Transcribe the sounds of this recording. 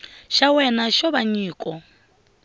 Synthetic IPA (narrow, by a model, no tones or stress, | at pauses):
ʃawɛnaʃɔβaɲiːkʼɔ